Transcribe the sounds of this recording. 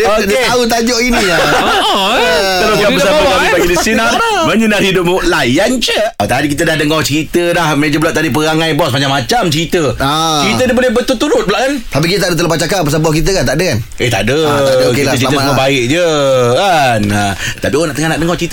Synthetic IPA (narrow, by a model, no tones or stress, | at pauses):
odt̪aut̪ad͡ʒɔʔinia | aloasabaaibaɡidisina | məɲənarhidʊp̚ʔlajant͡ʃəot̪adikit̪̬ədahdəŋɔht͡ʃəɾit̪əlahmed͡ʒəbluaʔt̪adip̬əɾaŋãjbɔsmad͡ʒamːat͡ʃamt͡ʃəɾit̪əat͡ʃəɾit̪ədibolɛhbət̪ut̪uɾʊt̪̚bəlwaʔkant̪ap̬ikit̪ət̪adət̪̬əlapat͡ʃakaʔpəsabɔhkit̪̬əkant̪aʔdəkaneht̪a̰ʔdəak̪əkiat̪əməbaɪʔ̚d͡ʒəkanat̪apionaʔt̪əŋahnaʔdəŋɔht͡ʃəɾit̪